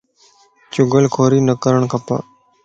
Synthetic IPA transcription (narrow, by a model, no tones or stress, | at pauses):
t͡ʃʊɡəlkʰoːɾiːnəkəɾəɳkəpə̰